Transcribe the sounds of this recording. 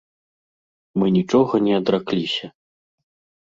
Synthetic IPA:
mɨnʲit͡ʂɔɣɐnʲɛɐd̪ɾaklʲisʲɐ

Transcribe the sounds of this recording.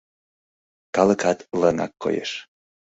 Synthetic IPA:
kɑləkɑt̪lənɑ̰kːo̰jḛʃ

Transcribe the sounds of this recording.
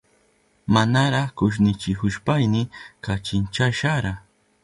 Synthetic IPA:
manaɾɑχkʊʃ̬nɪt͡ʃɪkʊʃpajnɪkat͡ʃɪnt͡ʃaʃaɾa

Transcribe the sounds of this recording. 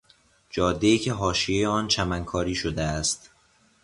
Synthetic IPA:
d͡ʒɒːd̪ːe̞iːcʰeɦɒːʃijejeɒːnt͡ʃʰæmæŋkʰɒːɾiːʃod̪eæst̪

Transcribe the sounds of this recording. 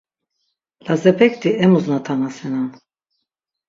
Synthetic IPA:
lazɛpʰɛkt̪iɛmuznat̪ʰanasɛnan

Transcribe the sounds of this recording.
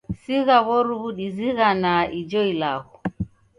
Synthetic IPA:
siɣaβɔɾuβuɗiziɣanaid͡ʒɔilaɣɔ

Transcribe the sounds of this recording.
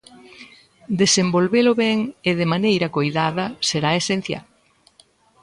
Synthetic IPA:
d̪esembolβelʊβɛŋɪðemanejɾɐkojðaðɐseɾaesen̟θja̰l

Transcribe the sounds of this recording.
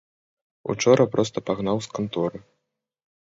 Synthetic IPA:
ṵt͡ʂɔɾʔɐpɾɔst̪ɐpaɣnawskant̪ɔɾɨ

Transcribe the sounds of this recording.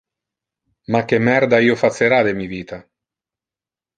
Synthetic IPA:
mak̟ːemːɛrd̪aiːofat̪sːeɾad̪emiviːt̪a

